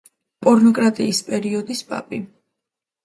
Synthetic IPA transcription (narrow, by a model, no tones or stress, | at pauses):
pʼɔɾnɔkʼɾat̪ʼiːspʼɛɾiɔd̪ispʼa̰pʼi